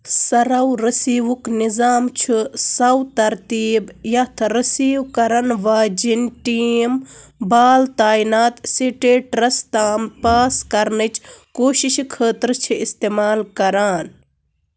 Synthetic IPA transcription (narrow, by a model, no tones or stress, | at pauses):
sɐɾɐwɾɐsiːʋuknizaːmt͡ʃʰusɐwt̪ɐɾt̪iːbjɐt̪ʰɾɐsiːwkɐɾɐnʋaːd͡ʒinʈiːmbaːlt̪aːinaːt̪siʈeːʈɾɐst̪aːmpaːskɐɾnɨt͡ʃkoːʃiʃikʰəːt̪ɾt͡ʃʰiist̪eːmaːlkɐɾaːn